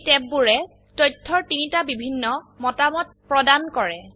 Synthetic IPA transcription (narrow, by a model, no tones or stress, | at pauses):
tɛp̚buɹɛ | tɔjtʰːɔɹtinitabibʱinːɔmɔtamɔt̚pɹɔdankɔɹɛ